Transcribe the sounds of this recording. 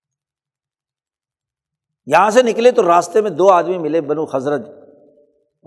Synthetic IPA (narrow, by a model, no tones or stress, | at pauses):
jɐɦãsenɪklet̪oɾaːst̪emẽd̪oːaːd̪mimɪlebɐnũxɐzɾəd͡ʒ̪